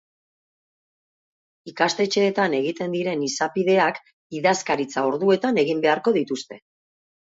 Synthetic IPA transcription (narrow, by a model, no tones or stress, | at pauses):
ikast̪e̞t͡ʃe̞ːt̪ane̞ɣ̞it̪e̞nd̪iɾe̞nisapiðe̞ak | iðaskaɾit͡sao̞ɾðue̞t̪ane̞ɣimbe̞aɾko̞ðit̪ust̪e̞